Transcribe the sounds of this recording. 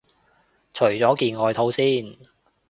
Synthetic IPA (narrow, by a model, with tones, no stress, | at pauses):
t͡ʃʰɵ˨˩ɥt͡sɔː˨˥kiː˧nŋɔː˨˧jt̪ʰo˨˥wsiː˥n